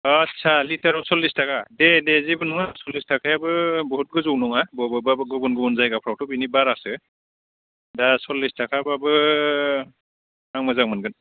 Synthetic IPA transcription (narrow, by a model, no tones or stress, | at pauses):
atsʰalitaɾɔwsɔlːistakadedezibɯnɔŋasɔlːistʰakʰajabɯbɔɦut̚ɡɯzɔwnɔŋabɔbɯbabɯɡɯbɔnɡɯbɔnzajɡapʰɾawtɔbinibaɾasɯ | dasɔlːistʰakʰabɯabɯ | aŋmazaŋmanɡɯn